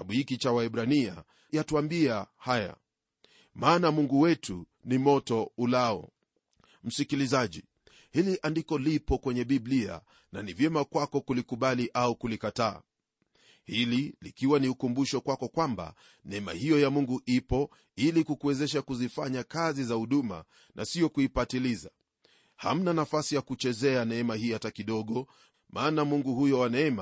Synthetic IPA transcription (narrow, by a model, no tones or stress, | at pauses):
aɓuhikit͡ʃawaɛɓɾania̰ | jatuambiahaja̰ | maːnamuŋɡuwɛtu | nimɔtɔulaɔ̰ | m̩sikilizaʄi | hiliʔandikɔlipɔkwɛɲɛɓiblia̰ | nanivjɛmakwakɔkulikuɓaliʔaukulikataː | hililikiwaniukumbuʃɔkwakɔkwamba̰ | nɛɛma̰hijɔjamuŋɡuʔipɔ | ilikukuwɛzɛʃ̬akuzifaɲakazizahuɗuma̰ | nʔa̰sijɔkuipatiliza | ha̰m̩nanafasijakut͡ʃɛzɛanɛɛmahiːatakiɗɔɠɔ | mʔaːnamuŋɡuhujɔwanɛɛma